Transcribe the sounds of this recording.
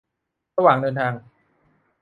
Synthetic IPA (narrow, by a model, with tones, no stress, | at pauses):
ɾa˧waː˨˩ŋdɤː˧nt̪ʰaː˧ŋ